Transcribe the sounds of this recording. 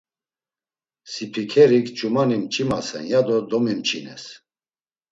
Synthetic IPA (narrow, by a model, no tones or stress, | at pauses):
sipʰikʰɛɾikt͡ʃʼumanimt͡ʃʼimasɛ̰njad̪ɔd̪ɔmimt͡ʃʼinɛ̰s